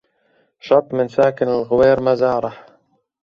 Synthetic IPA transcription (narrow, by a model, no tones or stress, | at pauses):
ʃɑt̪ˤːmɪnsaːkɪnalɣʊweːɾmazɑːɾˤɑħ